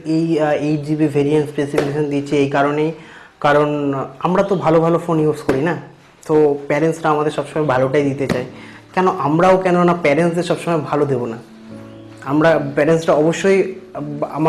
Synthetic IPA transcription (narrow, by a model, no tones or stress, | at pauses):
ejejd͡ʑibivʱeɾienʈspesifikeʃond̪iet͡ɕʰiejkaɾone | kaɾonamɾat̪obʱalobʱalofoniupskoɾina | t̪opɛɾensɾaamad̪eɾʃɔbʃɔmaebʱaloʈajd̪it̪et͡ɕae | kɛnoʔamɾaokɛnonapɛɾensd̪eɾʃɔbʃɔmaebʱalod̪ebona | amɾapɛɾensʈaɔboʃːoj | a̰ma